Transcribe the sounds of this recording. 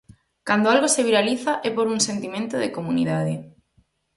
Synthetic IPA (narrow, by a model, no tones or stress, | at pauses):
kand̪oalɣoseβiɾaliθaʔɛpoɾuŋsent̪imẽnt̪oðekomunḭðaðɪ